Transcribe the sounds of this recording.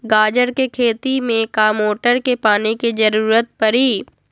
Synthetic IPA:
ɡaːd͡ʒəɾkekʰeːt̪imẽkaːmoːʈəɾkepaːnikid͡ʒɐɾuːɾət̪̚pɐɾiː

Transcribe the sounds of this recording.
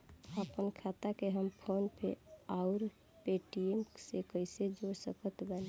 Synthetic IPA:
əpənkʰat̪akeɦəmpʰonpʰḛaʊɾ | peʈiemsekəised͡ʒoɾsəkət̪bɛn

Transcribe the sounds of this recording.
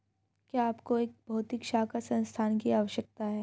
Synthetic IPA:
kiaːpkoeːk̚bʱɐːt̪ikʃaːkasɐ̃nst̪ʰaːnkiaːʋəʃjək̚t̪aɦɛː

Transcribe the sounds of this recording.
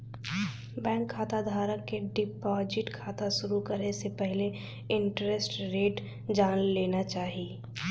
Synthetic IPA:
bɛ̃ːŋkʰːaːt̪ad̪ʱaːɾəkːeɖɪpɔːd͡ʒɪʈkʰaːt̪aʃʊɾukəɾnesepɛɦle | ɪ̃ɳʈɾesʈɾeːʈ | d͡ʒaːnleːnat͡ʃaːɦieː

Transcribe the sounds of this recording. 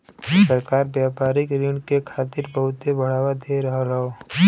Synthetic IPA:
səɾkaːɾbjaːpaːɾɪkɾiɳɖkekʰaːt̪ɪɾbɐɦʊt̪ebʱɐɽ̤aːʋad̪eɾɐɦɾɐɦoː

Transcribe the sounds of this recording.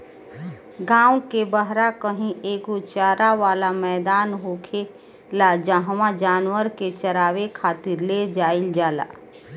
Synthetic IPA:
ɡãːw̃kebəɦɾakəɦĩʔeːkot͡ʃaːɾaʋaːlamɛːd̪aːnɦoːkʰe | lad͡ʒaɦmãd͡ʒaːnwəɾket͡ʃəɾaːwekʰaːt̪ɪɾled͡ʒaːɪld͡ʒaːla̰ː

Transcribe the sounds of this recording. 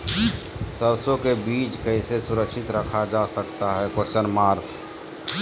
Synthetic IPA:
səɾsõkebiːt͡ʃkɛɪsesʊɾəkʃɪt̪ɾəkʰad͡ʒasək̚t̪aɦɛkot͡ʃənmaːɾk

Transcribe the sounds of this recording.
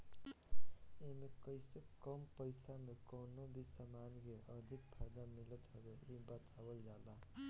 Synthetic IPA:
emekəjsekəmpəɪsamekəwnobʱisəmanɡeəɾd̪ʱik̚pʰad̪amilət̪ʰəbeibət̪abəld͡ʒala

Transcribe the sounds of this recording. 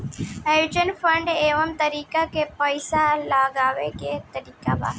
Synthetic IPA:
ɐjuːd͡ʒənfəɳɖeːʋəmt̪ɐɾiːkakepəɪsalaːɡaːʋeket̪ɐɾiːkaba̰ː

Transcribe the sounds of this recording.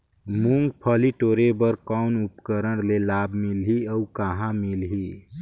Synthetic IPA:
muŋɡpʰəliʈoɾebəɾkawnupkəɾəɽlelabʱmilɦiəukaɦãmilɦi

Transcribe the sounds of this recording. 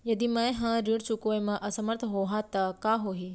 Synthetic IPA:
jɐd̪imɐ̃ẽɦãɾiɽt͡ʃʊkojmãʔɐsəməɾt̪ʰɦoːɦat̪ɐkaɦoːɦiː

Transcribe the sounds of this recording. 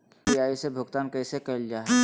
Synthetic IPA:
iaːisebʱʊɡt̪aːnkəːsekɐld͡ʒaːɦ

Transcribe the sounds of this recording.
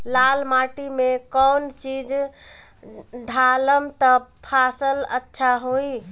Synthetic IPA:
lalmaʈimekɔnt͡ʃid͡ʒ | ɖʱaləmt̪əpʰasələ̰tːʃʰaɦoi

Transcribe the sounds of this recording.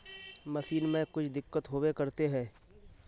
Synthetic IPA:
mɐsiːnmẽkʊt͡ʃʰd̪ɪkːət̪ɦoːwekɐɾt̪eɦɛ̃ː

